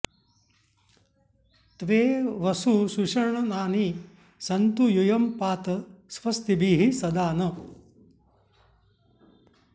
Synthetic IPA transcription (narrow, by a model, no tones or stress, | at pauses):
t̪ʋeːʋɐsuʃuʂɐɾɳɐnaːni | sɐnt̪ujujɐmpaːt̪ɐsʋɐst̪ibiːɦisɐd̪aːnɐ